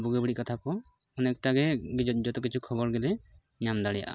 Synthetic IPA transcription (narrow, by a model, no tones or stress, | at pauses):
buɡɔbiɽiʔkat̪ʰakɔ | ɔnɛktaɡɛɡd͡ʒɔt̪ɔkit͡ʃʰukʰɔbɔɾɡɛlɛ | ɲamd̪aɽija̰ʔa̰